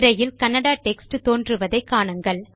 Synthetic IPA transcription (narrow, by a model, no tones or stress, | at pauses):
ɾɐjɪlkɐnːɐɽaːʈɛksʈɯt̪oːndrɯʋɐðɐɪkːaːɳɐŋɡɐɭ